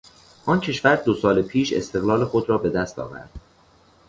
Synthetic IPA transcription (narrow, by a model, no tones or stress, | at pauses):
ʔɒːncʰe̞ʃvæɾd̪osɒːlepʰiːʃe̞̰st̪e̞ɣlɒːle̞xo̞d̪ɾɒːbe̞d̪æst̪ʰɒ̰ːvæ̰ɾd̪̥